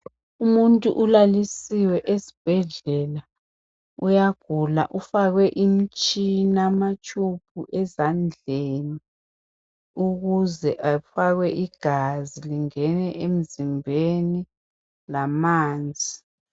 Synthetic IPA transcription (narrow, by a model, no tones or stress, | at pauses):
umuntʼṵʔulalisiwɛʔesi̥b̥ʱɛɮɛla | ujaɡ̥ʱula̰ʔufaɣwɛʔim̩t͡ʃʼinamat͡ʃʼupʰuʔɛzand͡ɮʱeni | uɣuzɛʔafaɣwɛʔiɡ̥ʱaziliŋɛnɛʔem̩zimbʱeni | lamaːnd͡zʱi